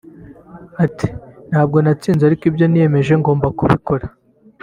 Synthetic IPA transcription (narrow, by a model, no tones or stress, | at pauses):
atʰi̥n̥haːb̚ɡo̞nat͡siːnzaɾikibjo̞nije̞me̞ʒe̞ŋɡo̞ːmbakuβiko̞ɾa